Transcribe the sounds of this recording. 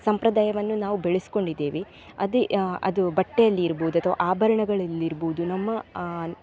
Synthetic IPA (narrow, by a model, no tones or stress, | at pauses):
sɐmpɾɐd̪aːjɐʋɐnːunaːʋubeɭesi̥ko̞ɳɖid̪ːeːʋi | ɐd̪eɐ̰d̪ubɐʈːejɐlːiːɾboːd̪uɐt̪ʰɐʋa̰ʔaːbʱɐɾɐɳɐɡɐɭɐlːiɾboːud̪unɐmːɐ